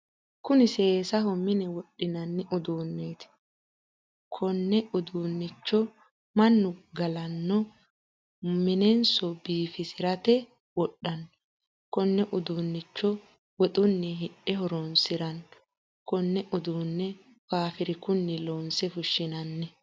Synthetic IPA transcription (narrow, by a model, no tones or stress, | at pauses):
kʊnɪseːsɐhɔmɪnɛwɔɗːɪnɐnːɛʔʊd̪uːnːeːt̪ɪ̥ | kʰɔnːɛʊd̪uːnːɪt͡ʃːɔ | mɐnːʊɡɐlɐnːɔ | mɪnɛnsɔbiːfɪsɪɾɐt̪ɛ | wɔɗːɐnːɔ | kɔnːɛʔʊd̪uːnːɪt͡ʃːɔ | wɔt̪ʼʊnːɛɦɪɗɛhɔɾɔnsɪɾɐn | kɔnːɛʔʊd̪uːnːɛ | faːfɪɾɪkʊnːɪloːnsɛfʊʃːɪnɐnːɛ